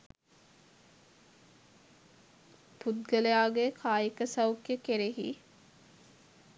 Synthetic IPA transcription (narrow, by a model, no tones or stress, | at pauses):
put̪̚ɡəlejaːɡekʰaːjikəsɐwkjəkeɾeɦḭ